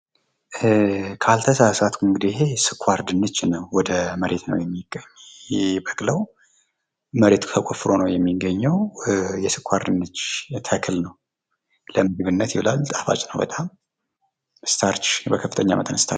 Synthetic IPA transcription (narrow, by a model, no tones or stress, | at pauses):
kʰalt̪ʰəsasat̪uɨŋɡɨd̪ɪhe̞sɨkʰwaɾd̪ɨnːɨt͡ʃːnəwːɔd̪əməɾe̞t̪nə̰wjɛmːiɡ̥ə | bəkʼləw | məɾe̞t̪ʰt̪ʰəkʼofɨɾo̞nəwjɛmːiɡːəɲːɛwjɛsɨkʰʷwaɾd̪ɨnːɨt͡ʃːt̪ʰəkʰɨlnəw | ləmɨɡɨβɨnːət̪jɪwɨlalt̪ʼḁfa̰t͡ʃʼnəwbə̰t̪ʼam | st̪ʰaɾt͡ʃbəkʰəfːɨt̪ʰəɲːa̰mət̪ʼə̰nɨst̪ʰa̰